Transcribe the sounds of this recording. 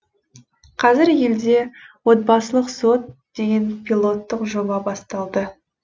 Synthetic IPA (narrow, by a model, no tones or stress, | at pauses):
qʰɑzɪɾje̞ld̪e̞wo̞t̪̚bɑsəlˠəqso̞t̪̚ | d̪̥e̞ɡʲe̞npʲilˠo̞t̪ːəqʒo̞bɑbɑst̪ɑlˠd̪ə